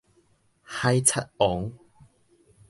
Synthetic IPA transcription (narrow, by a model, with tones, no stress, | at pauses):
hɐ˧jt͡sʰɐ˥t̚ʔɔː˨˥ŋ